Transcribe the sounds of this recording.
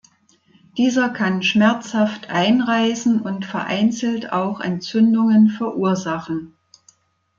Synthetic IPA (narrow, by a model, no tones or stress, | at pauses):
d̥iːzɐkʰanʃmɛɐt͡shaftʔaɪnʁaɪsn̩ʊntfɛɐʔa̰ɪnt͡sl̩ta̰ʊxʔɛ̰nt͡sʏndʊŋənfɛɐʔuːɐzaχn̩